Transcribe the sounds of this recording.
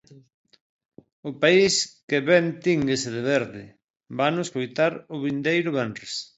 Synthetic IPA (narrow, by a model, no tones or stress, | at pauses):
ʊpaiskeβɛnt̪iŋɡeseðeβɛɾðɪ | banʊskojt̪aɾʊβind̪ejɾʊβɛnres